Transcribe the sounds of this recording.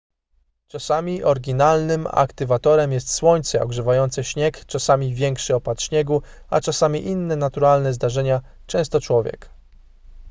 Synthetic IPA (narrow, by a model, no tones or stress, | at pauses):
t͡ʂasamʲiʔɔɾɡʲinalnɘma̰kt̪ɘvat̪ɔɾɛmjɛst̪swɔɲt̪sɛɔɡʐɛvajɔnt̪sɛɕɲɛkt͡ʂasamʲivʲjɛŋkʂɘɔpat̪ɕɲɛɡua̰t͡ʂasamʲiʔinːɛnat̪uɾalnɛzd̪aʐɛɲa | t͡ʂɛ̃w̃st̪ɔt͡ʂwɔvʲjɛ̰k